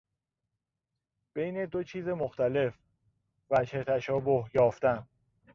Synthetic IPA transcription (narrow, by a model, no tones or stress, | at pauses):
b̥e̞jne̞d̪ot͡ʃʰiːze̞moxt̪æle̞f | væʃhet̪ʰæʃɒːbo̞hjɒːft̪æn